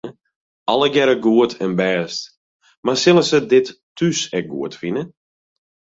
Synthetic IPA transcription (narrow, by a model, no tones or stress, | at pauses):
ɑlˠəɡɛɾəɡuətʰɛnbɛːst | marsɪlˠəsədɪtːysɛk̚ɡṵətfinə